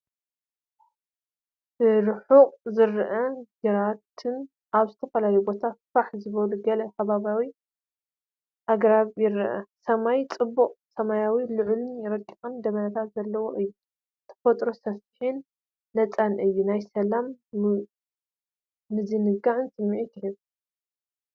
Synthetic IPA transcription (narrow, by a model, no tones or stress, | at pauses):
bɨɾɨħuqʼzɨɾʔɐɡɨɾat̪ʰɨn | ʔaβzɨt̪ʰɐfɐlajjubo̞t̪ʰafaħzɨβɐluɡɐlɐkʰɐβaβawi | ʔaɡɾaβjɪɾʔɐ̰sɐmajt͡sʼɨbːuqʼsɐmajawilɨʕlunjɪɾɐkʼikʼɨnd̪ɐmɐnɐt̪ʰat̪zɐlːɐwoʔɨjːu | t̪ʰɐ̥fɐt̪ʼɾosɐfiħinː | ɐt͡sʼanʔɨjːunajsɐlam | ɨzinɨɡaʕɨnsɨmːiʔik̪ʰɨhɨβ